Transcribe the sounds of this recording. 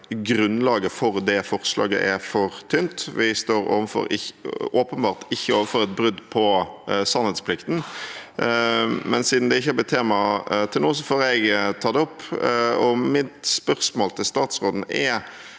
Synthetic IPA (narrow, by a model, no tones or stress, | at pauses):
ɡɾʉnlɑːɡəfɔɾd̪ɛfɔʁslɑ̰ːɡə̰ʔɛfɔɾt̪ʰʏnt̪ʋɪst̪oːɾo̰ːʋənfɔ̰ɾɪʔoːpənbɑːʁt̪ɪçːəoːʋənfɔɾɛt̪̚bɾʉd̪pʰɔsɑnhɛd̪spʰlɪkt̪n̩ | mɛnsiːd̪n̩d̪ɛɪçːəhɑbət̪ʰeːmɑt̪ʰɪlnoːs̬ɔfoːɾɛɡt̪ʰɑːd̪ɛɔpːɔmɪt̪spœʁsmoːlt̪ʰɪlst̪ɑːt̪sʁoːd̪n̩ɛ